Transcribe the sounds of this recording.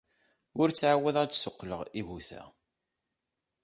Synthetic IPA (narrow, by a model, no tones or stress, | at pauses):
ʊɾt͡sːʕawæðædsʊqːlə̰ʁiʝuθæ̰